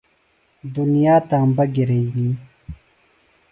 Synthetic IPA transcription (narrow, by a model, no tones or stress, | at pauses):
d̪unijaːt̪ambɐɡiɾeiniː